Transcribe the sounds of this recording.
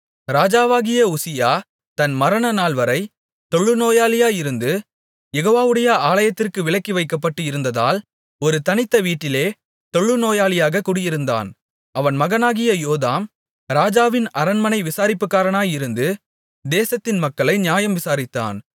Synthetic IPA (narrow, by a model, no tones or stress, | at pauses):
ɾaːd͡ʒaːʋaːɣɪjɐʊsɪjaː | t̪tɐnmɐɾɐnɐnaːlʋɐɾɐɪ | t̪ɔɭːɯnoːjaːlɪjaːɪɾɯnd̪ɯ | jɛɣoːʋaːʋɯɽɐjɐaːlɐjɐt̪ːɪrkɯʋɪɭɐkːiʋɐɪkːɐpːɐʈːɯɪɾɯnd̪ɐða̰ːl | ɔɾɯt̪ɐnɪt̪ːɐʋiːʈːɪleː | t̪ɔɭːɯnoːjaːlɪjaːɣɐkuːɽɪjɪɾɯnd̪a̰ːn | ɐʋɐnmɐɣɐnaːɣɪjɐjoːðaːm | ɾaːd͡ʒaːʋɪnɐɾɐnmɐnɐɪʋɪsaːɾɪpːɯkːaːɾɐnaːjɪɾɯnd̪ɯ | d̪eːsɐt̪ːɪnmɐkːɐɭɐɪnɪjaːjɐmʋɪsaːɾɪt̪ːa̰ːn